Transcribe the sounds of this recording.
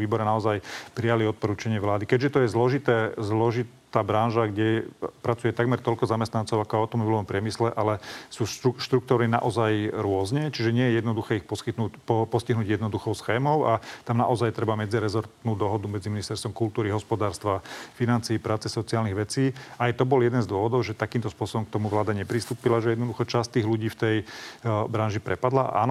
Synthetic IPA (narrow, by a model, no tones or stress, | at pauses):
iːbɔɾɛnaɔzajpɾijaliɔt̪̚pɔɾuːt͡ʃaɲɪɛʋlaːd̪ikɛɟʒɛt̪ɔjɛzlɔʒit̪ɛːzlɔʒit̪aːbɾanʒaɡɟɛpɾat͡sujɛt̪aɡmɛɾt̪ɔʎkɔzamɛst̪nant͡sɔʊakɔaʊt̪ɔmɔbilɔʋɔmpɾɪɛmislɛʔalɛsuːʃuʃt̪ɾukt̪ɔɾnina̰ʔɔzajɾʊɔzɲɛt͡ʃiʒɛɲɪɛjɛjɛd̪nɔd̪uxɛːixpɔskit̪nuppɔsciɦnuːɟjɛd̪nɔd̪uxɔʊsxɛːmɔʊat̪amna̰ʔɔzajt̪ɾɛbamɛd͡ziɾɛzɔɾt̪nuːd̪ɔɦɔd̪umɛd͡ziminist̪ɛɾst̪ʋɔmkult̪uːɾiɦɔspɔd̪aːɾst̪ʋafinant͡siːpɾaːt͡sɛsɔt͡siaːlniɣʋɛt͡siːajt̪ɔbɔljɛd̪ɛnzd̪ʊɔʋɔd̪ɔʊʒɛt̪akiːmt̪ɔspʊɔsɔbɔmk̚t̪ɔmuʋlaːd̪aɲɛpɾist̪uːpilaʒɛjɛd̪nɔd̪uxɔt͡ʃast̪iːɣluɟiːft̪ɛjbɾanʒipɾʔɛpad̪la̰a̰ːnɔ